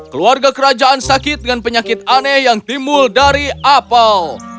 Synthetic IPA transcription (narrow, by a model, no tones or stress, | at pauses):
kəluarɡakəɾad͡ʒaʔansakɪt̪̚dəŋanpəɲakɪt̪̚anɛhjaŋt̪imbʊldaɾiʔapal